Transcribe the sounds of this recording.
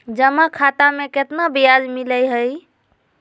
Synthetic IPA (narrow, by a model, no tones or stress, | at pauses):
d͡ʒəmakʰat̪ameket̪nabijalmiləjɦəj